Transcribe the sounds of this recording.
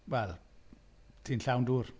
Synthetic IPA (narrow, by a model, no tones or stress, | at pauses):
wɛl | tʰinɬawnduːr